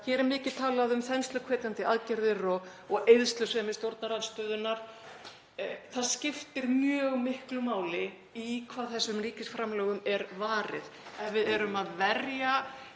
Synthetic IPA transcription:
çɛɾɪmɪːcɪt̪ʰaːlaðʏmθɛnst̪lʏkʰvɛːt̪ant̪ɪaðcɛɾðɪrɔɣ | ɔɣejðst̪lʏsɛmɪst̪jowɾt̪naɾanst̪œːðʏnːaɾ̥ | θaðscɪft̪ɪɾmjœːɣmɪhklʏmaːwlɪ | ikʰvaːðθɛsːʏmriːcɪsfɾamlœːɣʏmɛɾvaːɾɪðɛnvɪðɛɾʏmaðvɛrja

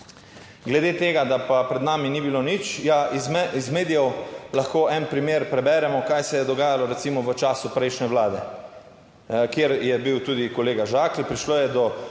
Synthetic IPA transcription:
ɡlɛd̪eːt̪eːɡad̪apapɾɛd̪naːminibilonit͡ʃjaizmizmeːd̪ijɛwlaxkoːɛnpɾimeːɾpɾɛbɛːɾɛmɔkajsɛjɛd̪ɔɡaːjalɔɾɛt̪simɔʋət͡ʃaːsupɾɛjʃnɛʋwlaːd̪ɛ | kjeɾjɛbiwt̪uːd̪ikɔleːɡaʒaːklipɾiʃloːjɛd̪ɔ

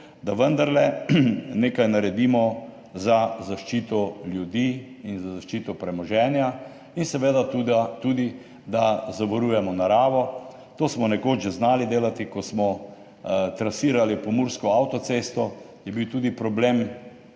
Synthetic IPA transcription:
d̪aʋənd̪aɾlɛ | neːkajnaɾɛd̪imɔ | zazaʃt͡ʃiːt̪ɔljud̪iː | inzazaʃt͡ʃiːt̪ɔpɾɛmɔʒɛːnja | insɛʋeːd̪at̪ut̪uːd̪i | d̪azabɔɾujɛmɔnaɾaːʋɔ | t̪oːsmɔnɛkod͡ʒɛznaːlid̪eːlat̪ikɔsmɔ | t̪ɾasiːɾalipɔmuɾskɔawt̪ɔseːst̪ɔ | jɛbiwt̪uːd̪ipɾɔbleːm

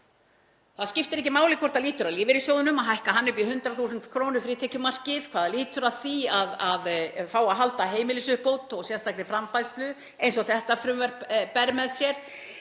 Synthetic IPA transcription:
θaðscɪft̪ɪɾɛcɪmaːwlɪkʰvɔrt̪aðliːt̪ʏɾaðliːvɪɾisjoːwðʏnʏmaðɦajhkaɦanːʏpiɦʏnt̪ɾaθusʏnt̪kʰɾownʏfɾiːt̪ʰɛhcʏmar̥cɪðkʰvaːðaliːt̪ʏɾḁθiaðaðfaːwaɦalt̪aɦeːjmɪlɪsʏhpowt̪ɔɣsjɛnst̪aknɪfɾamfajst̪lʏ | ejnsɔɣθɛht̪afɾʏmvɛɾ̥ppɛɾmɛðsjɛɾ̥

